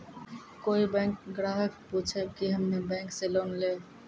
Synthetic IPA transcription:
koibɛ̃ŋkɡɾaɦək̚put͡ʃʰɛbkiɦəmnebɛ̃ŋkselonle

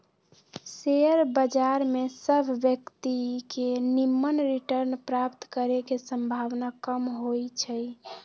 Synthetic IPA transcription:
seəɾbəd͡ʒaɾmesəbʱʋjəkt̪ikenimːənɾiʈəɾnpɾapt̪kəɾekesə̃mbʱaʋnakəmɦojt͡ʃʰəj

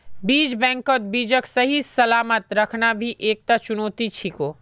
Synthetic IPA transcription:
biːd͡ʒbɛ̃ːŋkot̪̚biːd͡ʒəksɐɦisɐlaːmət̪ɾɐkʰnabʱiʔeːk̚t̪at͡ʃʊnoːt̪it͡ʃʰikoː

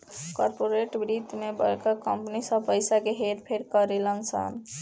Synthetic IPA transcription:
kɔɾpoɾeʈbɾit̪mebə̰lkəkəmpnisəbpəjsakeɦeɾpʰeɾkəɾelənsa̰n

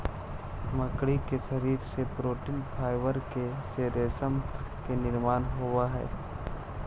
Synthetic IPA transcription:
məkɽikeʃɐɾiːɾsepɾoːʈiːnpʰaːɪʋəɾkeseːɾeːsəm | kenɪɾmaːnɦʊwaɦɛ̰ː

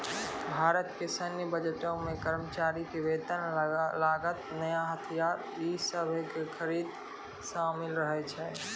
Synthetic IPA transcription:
bʱaːɾət̪kesənjəbəd͡ʒəʈõmekəɾmət͡ʃaɾikeʋed̪ənlaɡət̪nəjaɦət̪ʰijaɾ | isəbʱəkekʰəɾid̪ | ʃamɪlɾəɦɛt͡ʃʰɛ

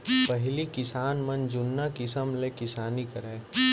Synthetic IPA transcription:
pɐɦlikɪsaːnmɐnd͡ʒʊnːakɪsəmlekɪsaːnikɐɾɛ̃ː

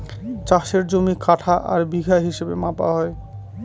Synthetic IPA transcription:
t͡ɕaʃeɾd͡ʑomikaʈʰaʔaɾbiɡʱaɦiʃebḛmapa̰ɦɔe

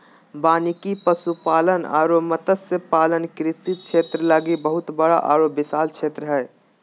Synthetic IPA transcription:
baːnikipəsupaːləna̰ːɾomət̪əsepaːlənkɾɪsit̪̚t͡ʃʰet̪ɾəlaɡibəɦut̪bəɽa̰ʔaɾobːɪsaːlt͡ʃʰeːt̪ɾəɦɛ

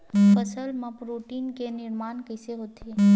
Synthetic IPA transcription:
pəsəlmãpɾuʈiːnkenɪɾmaːnkəseɦot̪ʰe

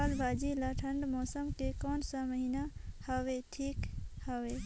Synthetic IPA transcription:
albʱaːd͡ʒilaʈʰəɳɖmɔːsəmkekɔːnsəməɦinahəʋeʈʰiːkhəʋe

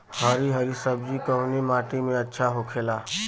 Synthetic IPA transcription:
həɾiɦəɾisəbd͡ʒikəɦnimaːʈimẽɐtːʃʰaɦokʰeːlaː

